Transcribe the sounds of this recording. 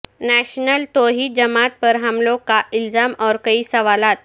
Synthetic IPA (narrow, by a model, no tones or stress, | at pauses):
næɕnəlt̪oɦiːd͡ʑəmat̪̚pəɾɦamlokːaʔild͡zamɔɾkəiːsəʋalat̪̚